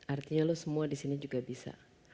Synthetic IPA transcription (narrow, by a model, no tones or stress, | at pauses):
ʔart̪iɲalosəmuadisinid͡ʒuɡabisa̰